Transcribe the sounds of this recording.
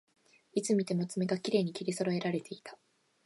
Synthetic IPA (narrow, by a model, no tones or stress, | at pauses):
it͡sɨmʲit̪e̞mo̞t͡sɨme̞ɡakʲiɾe̞ːɲ̟ikʲiɾʲiso̞ɾo̞e̞ɾaɾe̞t̪e̞it̪ḁ